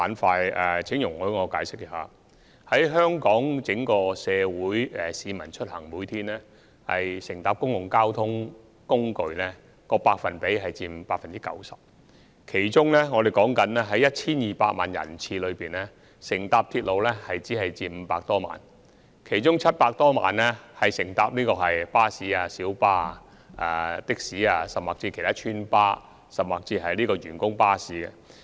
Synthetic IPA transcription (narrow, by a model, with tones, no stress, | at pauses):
aː˨˧˥nfaː˧jɛː˨t͡sʰɪ˨˥ŋjʊ˨˩ŋhɵ˨˥jŋɔː˨˧kaː˨˥jsɪ˥k̚ːɛ˨ha̰ː˨˩ | hɐ˨˥jɦœː˥ŋkɔː˨˥ŋt͡sɪ˨˧˥ŋkɔː˧sɛː˨˧wuː˨˥jɛ˨siː˨˧mɐ˨˩nt͡ʃʰɵ˥t̚hɐ˨˩ŋmuː˨˥jt̪ʰiː˥nlɛː˥ | hɐ̰˨jsɪ˨˩ŋt̪aː˧p̚kʊ˥ŋjʊ˨˩ŋkaː˥wt̪ʰʊ˥ŋ | kʊ˥ŋkɵ˨˧ɥnɛː˥ | kɔː˧paː˧k̚fɐ˨npe˨˥jɦɐ˨jt͡siː˧m˨˧paː˧k̚fɐ˨nt͡si˥kɐ̰˨˥wsɐ˨p̚ | kʰe˨˩jt͡sʊ˥ŋlɛː˥ŋɔː˨˧d̪e˨˩jkɔː˨˥ŋkɐ˨˥nlɛː˥ɦɐ˨˥jːɐ˥t̚t͡sʰiː˥njiː˨paː˧k̚ma̰ː˨njɐ̰˨˩nt͡sʰiː˧lɵ˨˧ɥpiː˨nlɛː˥ | sɪ˨˩ŋt̪aː˧p̚t̪ʰiː˧t̚lo˨˧wlɛː˥hɐ˨jt͡siː˨˥ɦɐ˨jt͡siː˧m̩˨˧˦paː˧k̚t̪ɔː˥ma̰ː˨n | kʰe˨˩jt͡ʃʊ˥ŋt͡sʰɐ˥t̚paː˧k̚t̪ɔː˥ma̰ː˨nlɛ˥hɐ˨jsɪ˨˩ŋt̪aː˧p̚niː˥kɔː˧ɦɐ˨jpaː˥siː˨˥aː˧siː˨˥wpaː˥ | ʔa̰ː˧t̪ɪ˥k̚siː˨˥aː˧sɐ˨p̚maː˨k̚t͡siː˧kʰe˨˩t̪aː˥t͡ʃʰyː˥npaː˥ | sɐ˨p̚maː˨k̚t͡siː˧ɦɐ˨jliː˥kɔː˧jyː˨˩nkʊ˥ŋpaː˥siː˨˥ɡɛ˧